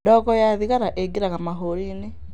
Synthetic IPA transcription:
dɔkɔjaðiɣaɾaʔeɡeɾaɣamaɦoɾine

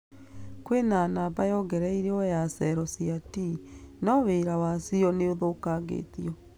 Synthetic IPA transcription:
kwenanaːbajɔɡɛɾɛiɾeɔjasɛɾɔsiatinɔweɾawasiɔneoðoːkaɡḛːtiɔ

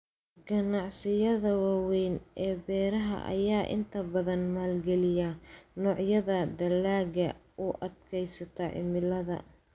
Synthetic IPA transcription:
ɡɐnɑʕsɪjɐðɐwaɑwɛjnʔɛːbɛːɾɐɦɐ̰ʔɐ̰jaːʔɪ̰nt̪ʰɐbɐðɐnmaːlɡɛlɪjanɔːʕjɐðɐd̪ɐlːaːɡɐʔʊʔɐd̪kʰɛjsɐt̪ʰɐʕɪ̰mɪlɐðɐ̰

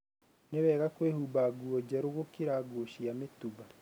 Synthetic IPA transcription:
neβɛːɣakweːhubaɡuoɟaɾoɣokiɾaɡoʃiametuβa

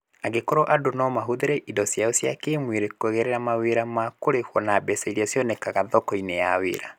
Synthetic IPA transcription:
aɡekɔɾɔʔadonɔmaɦoðeɾɛʔidɔsjaosjakemweɾekoɛɣɛɾɛɾamaweɾamakoɾekwɔnabɛsɛiɾiasjɔnɛkaɣaðɔkɔinejawḛɾa

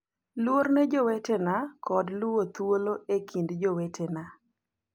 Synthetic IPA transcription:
lwornɛd͡ʒɔwɛtɛnakɔdlʊwot̪woloekʰindd͡ʒowɛtʰɛna

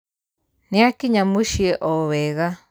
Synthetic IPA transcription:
nĩakiɲãmũʃieʔoβeɣa

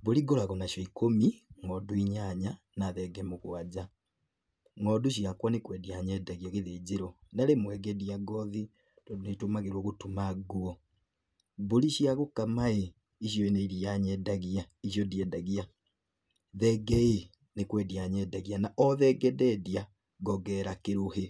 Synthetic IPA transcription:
boliɡolaɣonaʃjɔikomiŋɡɔduiɲaɲa | naðɛɡɛmukwad͡ʒa | ŋɔduʃ̬iakwanekwɛdiaɲɛdaɣiaɣiðeziɾɔnalemwɛɡediaɡɔði | d̥odunetumaɣeɾwoɣutumaɡuɔ | boliʃiaɣukamae | iʃjɔeneiɾiaɲɛdaɣia | iʃjodiɛdaɣia | ðɛɡɛe | nekwɛdiaɲɛdaɣianaʔɔðɛɡɛdɛdia | ɡɔɡɛɾakeɾuɦe

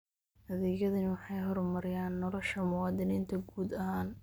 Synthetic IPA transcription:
hɐðiːjɐðɐnɪwɑħɑjɦɔrmɐɾɪjaːnːɔlɔʃɐmʊwɑːd̪ɪniːnt̪ʰɐɡuːd̪ɐɦaːn

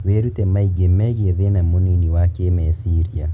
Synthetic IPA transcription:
weɾutɛmaiɡemɛɣeðenamoniniwakemɛsiɾia

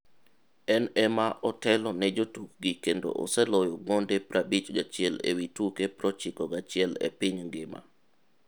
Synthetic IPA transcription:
ɛnɛmaʔɔtɛlɔnɛd͡ʒotuk̚ɡikendo̰ʔo̰sɛlɔjoɡɔndepɾabit͡ʃɡat͡ʃɪɛlḛwitukepɾɔt͡ʃɪkɔɡat͡ʃɪɛlɛ̰pɪɲŋɡɪma̰

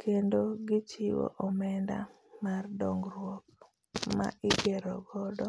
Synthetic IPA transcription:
kʰendoɡɪt͡ʃɪwo̰ʔɔmɛnda̰ | mardɔŋɡɾwɔk̚ | ma̰ʔɪɡɛɾɔɡɔdɔ

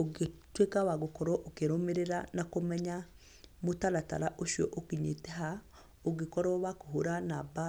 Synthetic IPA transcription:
oɡetwekawaɣokɔɾɔʔokeɾomeɾeɾanakomɛɲa | motalata̰ɾaʔoʃjɔ̰ʔokiɲetɛɦa | oɡekɔɾɔwakoɦoɾanaba

